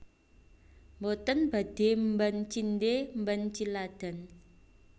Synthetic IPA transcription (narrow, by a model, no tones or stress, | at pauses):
mbot̪ənb̥a̤d̪̥e̤mbənt͡ʃindembənt͡ʃilad̪̥a̤n